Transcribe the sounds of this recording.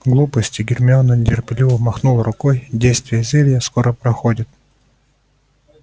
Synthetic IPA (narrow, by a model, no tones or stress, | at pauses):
ɡlˠupəsʲtʲɪɡʲɪrmʲɪonːənʲdʲɪrpʲɪlʲivəmɐxnulˠrʊkojdʲejst̪vʲɪjəzʲelʲjəskoɾəpɾɐxodʲɪt̪̚